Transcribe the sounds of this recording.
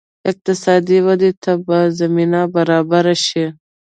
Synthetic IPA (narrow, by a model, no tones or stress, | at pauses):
ɪq̚t̪ɪsɑːd̪iwad̪et̪ʰabazaminabaɾɑbaɾaʃi